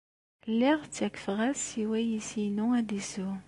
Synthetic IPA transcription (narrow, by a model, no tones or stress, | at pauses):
lːiʁt͡sːækfʁæsiwæjisinuæd̪isu